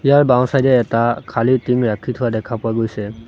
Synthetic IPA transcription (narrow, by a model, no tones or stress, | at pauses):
ijaɹbãw̃sajdɛːtakʰalitimɹakʰitʰʊwadɛkʰapʊaɡojsɛ